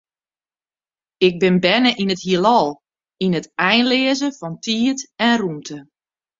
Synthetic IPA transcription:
ɪk̚bɪnbɛnəʔinəthiəlˠɔlˠ | inətɛjnlɪːəzəfɔntʰiːətɛnrumtʰə

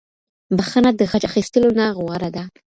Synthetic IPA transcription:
baxanad̪əxat͡ʃaxist̪əlonaɣwaɾad̪a

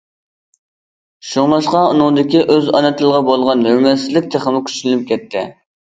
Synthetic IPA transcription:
ʃoŋlˠɑʃqɑunɨŋd̪ɪkʲiʔøzɑnɨt̪ʰɨlˠʁɑbolˠʁɑnhømɛsɪzlɪk̚ʲt̪ʰeχəmɪkʲʰy̥t͡ʃlnyp̚kʲʰɛt̪ʰːɪ̰

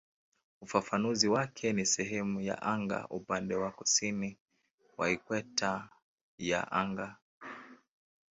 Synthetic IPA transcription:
ufafanuziwakʰɛnisɛɦɛmuja̰ʔaŋɡa̰ʔupandɛwakusini | wa̰ikwɛta | ja̰ʔaŋɡa

